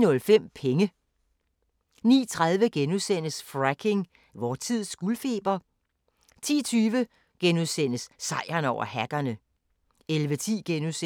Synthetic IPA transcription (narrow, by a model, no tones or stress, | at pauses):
nɔ̽lfem̰pʰeŋə | nḭːt͡sʰʁað̞ˠʋəɡ̥enuðˠsen̰əsfʁæɡ̥ʰe̝ŋ | ʋɒːt͡sʰið̞̰ˠsɡ̥ulfe̝ːb̥ɐ | t͡sʰḭːt͡sʰyːʋə | ɡ̥enuðˠsen̰əsːɑ̈ɪ̰ɐnɒʊ̰ʔɐhæɡ̥ɐnə | elʋət͡sʰḭːɡ̥enus